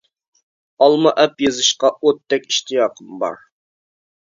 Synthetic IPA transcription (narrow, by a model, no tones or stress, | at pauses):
ɑlˠmɑʔɛpjezɨʃqɑot̪ːɛkʲi̥ʃt̪ijɑːqʰəmbɑ̰ɾ